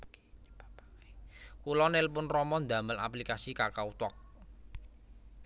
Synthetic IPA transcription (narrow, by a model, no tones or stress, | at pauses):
kulɔnelpʊnrɔmɔnd̪ä̤məla̰plikasikarkaut̪ɔk̚